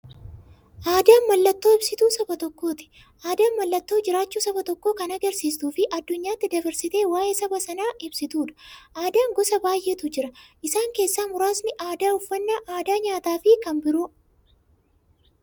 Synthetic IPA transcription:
ʔaːd̪aːnmɐlːɐt̪ːo̞ːɪbsɪt̪uːsɐbɐt̪ɔkːo̞ːt̪ɪ̥ | ʔaːd̪aːmɐlːɐt̪ːo̞ːd͡ʒɪɾaːt͡ʃːuːsɐbɐt̪ɔkːo̞ːkɐnɐɡɐɾsiːst̪uːfɪʔɐd̪ːʊɲːaːt̪ːɪd̪ɐbɐɾsɪt̪e̞ːwaːjʔeːsɐbɐsɐnaːɪbsɪt̪uːᶑ̪ɐ̥ʔaːd̪aːŋɡɔsɐbaːjʔet̪ʊd͡ʒɪɾɐʔɪsaːŋke̞ːsːaːmʊɾaːsnɪʔaːd̪aːʊfːɐnːaʔaːd̪aːɲaːt̪aːfɪkɐmbɪɾʊ

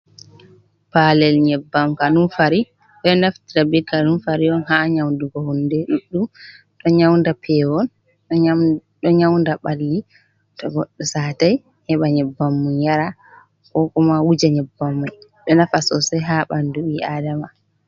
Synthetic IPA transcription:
palɛlɲɛbːamkanunfaɾi | ɗɔnaftiɾabikːanunfaɾiɔnɦaɲawnduɡɔhundɛɗuɗːum | ɗɔɲawndapʰɛwɔn | ɗɔɲawndaɓalːi | tɔɡɔɗːɔsaːtaj | ɲɛɓaɲɛbːamːunjaɾa | kɔkɔmawud͡ʒaɲɛbːamːuɗɔnafasɔsɛɦaɓanduɓiadama

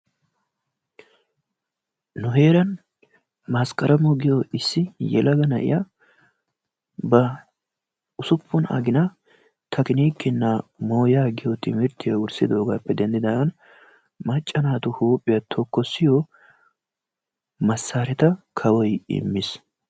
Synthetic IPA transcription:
nʊɦe̞ːɾɐn | maːskʼɐɾʔɐmɔɡɪjɔʔɪsːɪjɛ̰lɐɡɐnɐʔɪ̰ja | bɐ | ʊsʊpʰːʊnɐ̰ɡɪnɐ | t̪ʰɐkɪniːkːɪnːamoːjaːɡɪjɔt̪ɪmɪɾt̪ʰːɪjɐʊɾsɪd̪o̞ːɡaːpːɛd̪ɛnd̪ɪd̪ɐɐn | mɐt͡ʃʼːɐnaːt̪ʊhuːpʼːɪjɐt̪ʰɔkːɔsːɪjɔ | mɐsːaːɾɛt̪ɐkʰɐwɔjɪ̰mːɪs

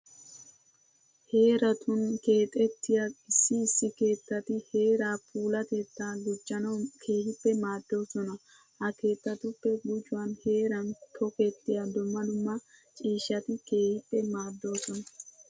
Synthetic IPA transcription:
he̞ːɾɐt̪ʰʊnke̞ːt̪ʼɛt̪ːɪjaɪsːɪːsːɪke̞ːt̪ːɐt̪ɪhe̞ːɾaːpuːlɐt̪et̪ːaːlʊt͡ʃʼːɐnɐkʰe̞ːhɪpːɛmaːd̪ːo̞ːsɔnɐ | hɐke̞ːt̪ːɐt̪ʊpːɛɡʊd͡ʒʊwanhe̞ːɾɐnt̪ʰɔkɛt̪ːɪjɐd̪ʊmːɐd̪ʊmːɐt͡ʃʼiːʃːɐt̪ɪke̞ːhɪpːɛmaːd̪ːo̞ːsɔnɐ

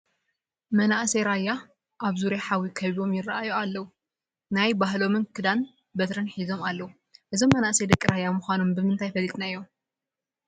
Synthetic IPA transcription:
mɐnaʔseɾajːa | ʔaβzuɾeħawikʰɐβiβo̞mjɪrːaajoalːɐwu | najbaɦlo̞mɨnkʰɨd̪an | bɐt̪ɾɐnħizo̞malːɐwu | ʔɨzomːɐnaʔsed̪ɐkʼːiɾajːamuxʷano̞mbɨmɨnt̪ʰajfɐlːit̪ʼnaɨjːo̞m

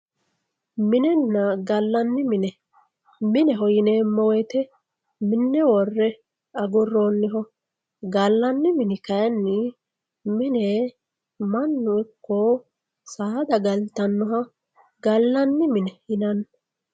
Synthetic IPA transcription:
mɪnɛnːɐɡɐlːɐnːɪmɪnɛ | mɪnɛɦɔjɪneːmɔwɛt̪ɛ | mɪnːɛwɔrːɛ | ɐɡɔrːoːnːɪɦɔ | ɡɐlːɐnːɪmɪnɪkɐjɐnːɪ | mɪne | mɐnːʊɪkːo | saːd̪ɐɡɐlt̪ɐnːɔɦɐ | ɡɐlːɐnːɪmɪnɛhɪnɐn

